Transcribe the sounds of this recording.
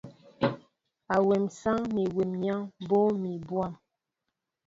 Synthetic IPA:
a˨wɛ˨msa˦ŋni˨we˨mɲa˦ŋbo˦mi˨bwa˦˨m

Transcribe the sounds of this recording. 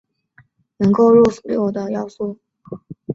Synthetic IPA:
nɤ˧˥ŋko˥˧ʊɻɔ˥˩su̥˨˩ljo˥˩d̪ə˨jɑ˥˧ʊswɔ˥˩

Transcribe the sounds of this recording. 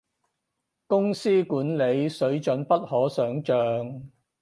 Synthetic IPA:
kʊ˥ŋsiː˥kuː˨˥nle˨˧jsɵ˨˥ɥt͡ʃɵ˨˥npɐ˥t̚hɔː˨˥sœː˨˥ŋt͡ʃœː˨ŋ

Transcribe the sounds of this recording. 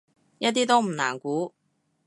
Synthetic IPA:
jɐ˥t̚t̪iː˥t̪o˥wm̩˨˩na̰ː˨˩nkuː˨˥

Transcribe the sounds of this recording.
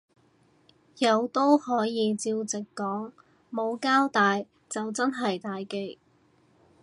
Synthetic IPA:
jɐ˨˧wt̪o˥whɔː˨˥jiː˨˧t͡siː˧wt͡sɪ˨kːɔː˨˥ŋ | mo˨˧wkaː˥wt̪aː˨j | t͡sɐ˨wt͡sɐ˥nɦɐ˨jt̪aː˨jke˧˥j

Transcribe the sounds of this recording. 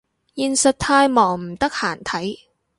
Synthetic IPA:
jiː˨nsɐ˨t̚t̪ʰaː˧jmɔː˨˩ŋm̩˨˩t̪ɐ˥k̚haː˨˩nt̪ʰɐ˨˥j

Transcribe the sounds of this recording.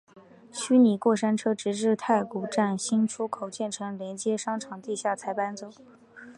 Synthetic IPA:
ɕy˥ni˨˩kwɔ˥˩ʂa˥nʈ͡ʂʰɤ˥ʈ͡ʂɻ̩˧˥ʈ͡ʂɻ̩˥˧t̪ʰa˥˩ɪku˨˩ʈ͡ʂa˥˩nɕi˥nʈ͡ʂʰu˥kʰo˨˩ʊt͡ɕjɛ˥˩nʈ͡ʂʰɤ˧˥ŋljɛ˧˥nt͡ɕjɛ˥ʂɑ˥ŋʈ͡ʂʰɑ˨˩ŋt̪i˥˧ɕja˥˩t͡sʰa˧˥ɪpa˥nt͡so˥ʊ

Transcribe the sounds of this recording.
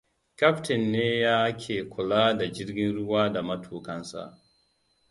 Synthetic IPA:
kʲa˦ptɪ˨nːeː˦jaː˦hkʲʰeː˨kʷʊ˨laː˦da˨d͡ʒɪ˦ɾɡʲɪ˦nɾʊ˦waː˦da˨mɐ˦tʰuː˨kɐ˦nsa̰˨ʔ

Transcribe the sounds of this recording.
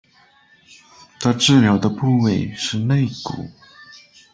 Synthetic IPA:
t̪ʰa˥˧ʈ͡ʂɻ̩˥˩ljɑ˧˥ʊd̪ə˧pu˥˧we˥˩ɪʂɻ̩˥˧ne˥˩ɪkṵ˨˩˦

